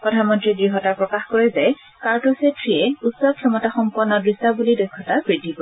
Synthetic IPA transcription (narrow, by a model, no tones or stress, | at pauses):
pɹɔdʱanmɔntɹiɡɹiɦɔtaɹpɹɔkaxkɔɹɛzaj | kaɹtosetɹiɛutsɔkʰɔmɔtaxɔmpɔnːɔdɹisabulidɔjkʰːɔtapɹidʱːibɔ